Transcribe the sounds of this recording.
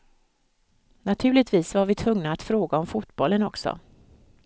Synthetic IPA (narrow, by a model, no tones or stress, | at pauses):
nat̪ʰʉ̟ːlɪt̪viːsvaɾvɪt̪ʰvɵŋnaːt̪fɾoːɡaɔmfuːt̪bɔlːənɔksɔ̰